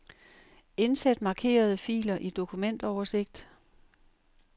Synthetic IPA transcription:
e̝nsed̥mɑ̈ːkʰe̝̰ːɐð̞̩ˠəfḭːlɐʔid̥o̝kʰumen̰d̥ɒʊɐse̝ɡ̥̚d̥

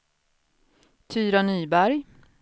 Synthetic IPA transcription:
t̪ʰyːɾanyːbæɾj

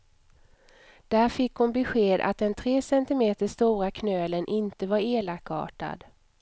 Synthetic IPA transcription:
d̪̥æːɾfɪkːhʊnbɛɧeːd̪a̰t̪̚d̪ɛnt̪ʰɾeːsɛnt̪ɪmeːt̪əʂt̪uːɾakʰnøːlənʔɪnt̪əvaɾeːlakːɑ̰ːʈa̰d̪

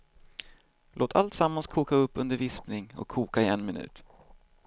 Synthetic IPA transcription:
lʔoːt̪ʰa̰lt̪samːanskʰuːkaɵpːɵnd̪əɾvɪspnɪŋɔ̰kʰːuːkaɪɛnmɪnʉ̟̰ːt̪

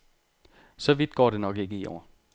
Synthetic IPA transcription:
sɒ̽ʋid̥ɡ̥ɒ̰ːde̝nɒ̽ɡ̥e̝ɡ̥əiʔɒ̰ːɐ

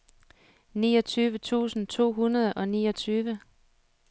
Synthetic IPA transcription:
nḭːɒ̽t͡sʰyːʋət͡sʰṵːsn̩t͡sʰo̝̰ːɦunɐð̞ˠʔɒ̽niːɒ̽t͡sʰyːʋə

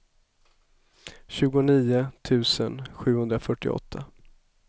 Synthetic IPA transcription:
ɕʉ̟ːɡʊniːʊt̪ʰʉ̟ːsənɧʉ̟ːhɵnd̪ɾafœʈːɪ̰ɔ̰t̪ʰːa

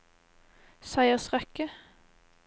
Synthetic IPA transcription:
sæɪəʁsʁɛkə

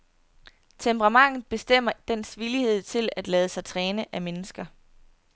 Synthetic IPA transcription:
t͡sʰempʰəʁɑ̈mɑ̈ŋ̰ð̞̩ˠb̥e̝sd̥em̰ɐd̥en̰sʋilihe̝ð̞̰ˠt͡sʰe̝læd̥lɛːð̞ˠəsɑ̈ɪt͡sʰʁɛːnəʔæmenəsɡ̥ɐ

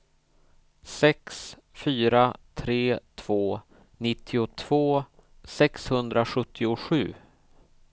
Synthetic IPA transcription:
sɛks | fyːɾat̪ʰɾeːt̪ʰv̥oː | nɪt̪ʰːɪʊt̪ʰv̥oː | sɛkshɵnd̪ɾaɧɵt̪ʰːɪʊɧʉ̟ː

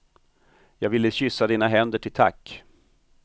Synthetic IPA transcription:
jɑːɡvɪlːəɕʏsːad̪iːnaɦɛnd̪əʈʰɪlt̪ʰa̰kː

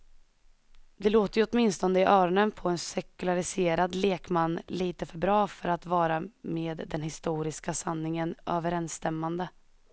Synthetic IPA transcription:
d̪ɛloːt̪əjɵɔt̪mɪnst̪ɔnd̪əɪʔœːɾɔnənpʰɔɛnsɛkɵlaɾɪseːɾad̪leːkmanːliːt̪əfœɾbɾɑːfœɾat̪vɑːɾameːd̪ːɛnhɪst̪uːɾɪskasanːɪŋənʔøːvəɾɛnst̪ɛmːand̪ə

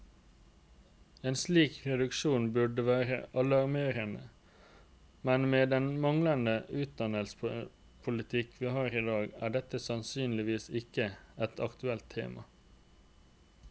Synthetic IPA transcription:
eːnsliːkɾɛd̪ʉkʃuːnbʉɖəʋæːɾə̰ʔɑlɑɾmeːɾənə̰ | mɛnmeːd̪ɛnmɑŋlənəʔʉːt̪̚d̪ɑnəlsp | pʰʊlɪt̪ʰɪkʰʋiːhɑːɾɪd̪ɑːɡæ̰ːɖɛt̪ːəsɑnsyːnlɪʋiːsɪkəɛt̪ʰɑkt̪ʉɛlt̪ʰːḛːmɑ̰

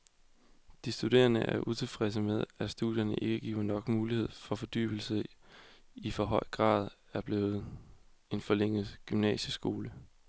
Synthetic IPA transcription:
d̥isd̥ud̥e̝̰ːɐnəʔæɐʔut͡sʰe̝lfʁɛs̬əmeð̞ˠæsd̥uð̰ˠjɐnəʔe̝ɡ̥əɡ̥ḭːɐnɒ̽ɡ̥muːlihe̝ð̞̰ˠfɒ̽fɒ̽d̥y̰ːb̥l̩sə | ifɒ̽ɦɒ̽ɪ̰ɡ̥ʁɑ̰̈ːð̞ˠ | æɐb̥le̝ːð̩ˠ | e̝nfɒ̽leŋ̰ð̩ˠɡ̥ymnɛ̰ːɕəsɡ̥o̝ːlə

